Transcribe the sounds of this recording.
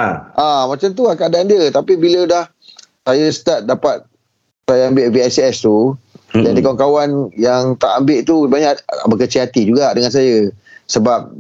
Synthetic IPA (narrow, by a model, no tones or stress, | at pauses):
ʔamãt͡ʃamt̪̬uakəadaandiət̪apibilədah | sajasə̥t̪at̪̚dapat̪̚ | sajaambɪʔviasɛst̪ujandikawankawanjaŋt̪aʔambɪʔt̪usəbaɲabəkət͡ʃiɦat̪id͡ʒuɡaʔdəŋans̬ajasəbap̚